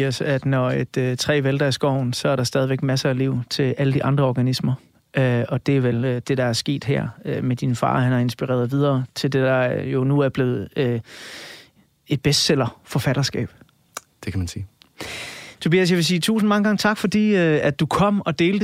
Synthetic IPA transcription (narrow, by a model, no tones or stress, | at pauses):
sæd̥nɒed̥øt͡sʰʁɛ̰ːʋeld̥ɐæɐsɡ̥ɒʊ̰n̩sɒ̽æɐɾ̥ɑ̈sd̥ɛːð̞ˠiʋeɡ̥mæsɐæliʊ̰t͡sʰe̝læləd̥iʔɑ̈nd̥ʁɐɒɡ̥ænismɐ | ʔøɒ̽d̥e̝æɐʋeld̥e̝ɾ̥ɑ̈æɐsɡ̥e̝̰ːd̥ɦæɐ̰ømed̥infɑ̰̈ːhænɑ̈e̝nsb̥iʁɛ̰ɐðˠʋið̞ˠɐːt͡sʰe̝ld̥e̝d̥ɑ̈jo̝nuæɐb̥le̝ːð̩ˠø | e̝d̥̚b̥esd̥sel̰ɐfɒ̽fæɾ̥ɐsɡ̥ɛ̰ːb̥ | d̥ekʰæmænsiː | t͡sʰo̝biːæs̬jɑʋe̝s̬iːt͡sʰṵːsn̩mɑ̈ŋəɡ̥ɑ̈ŋət͡sʰɑ̈ɡ̥fɒ̽d̥ḭːøæd̥̚ːukʰɒ̽m̰ɒ̽d̥e̝ːld̥